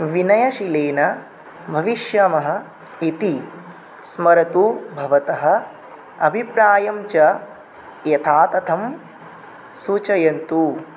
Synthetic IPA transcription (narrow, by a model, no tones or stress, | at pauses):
ʋinɐjɐʃileːnɐ | bʱɐʋiʃjɐmɐɦɐ̆ | it̪i | smɐɾɐt̪ubʱɐʋɐt̪ɐɦɐ̆ | ɐbʱipɾaːjɐmt͡ʃɐ | jɐt̪ʰaːt̪ɐt̪ʰɐm | suːt͡ʃɐjɐnt̪u